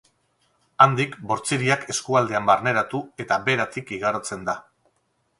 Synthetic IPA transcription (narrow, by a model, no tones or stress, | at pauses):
and̪ikbo̞ɾt͡siɾiake̞skuald̪e̞ambaɾne̞ɾat̪ue̞t̪abe̞ɾat̪ikiɣaɾot͡se̞nd̪a